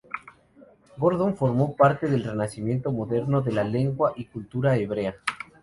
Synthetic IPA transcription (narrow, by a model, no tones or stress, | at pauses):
ɡoɾðo̞ɱfo̞ɾmo̞paɾt̪e̞ðelre̞nasimje̞nt̪o̞mo̞ðe̞ɾno̞ðe̞lale̞ŋɡwaʔikult̪uɾaeβ̞ɾea